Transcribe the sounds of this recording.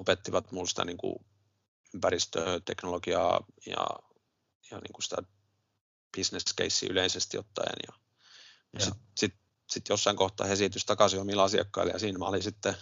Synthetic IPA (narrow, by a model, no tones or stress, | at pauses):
opet̪ːiʋɑt̪mulsi̥t̪æ̰niːŋkṵ | ympærist̪øt̪eknolokiɑ̰jɑ̰ | jɑnḭːŋkusi̥t̪æ | b̥isneskḛisːḭyleisest̪jo̰t̪ːɑ̰injɑ | msit̪sit̪ | sit̪josːɑiŋkoht̪ːˑɑ̰ːhesit̪yst̪ɑkɑsiomilɑsiɑ̰kːɑiljɑ̰siːnmæ̰olisit̪ːe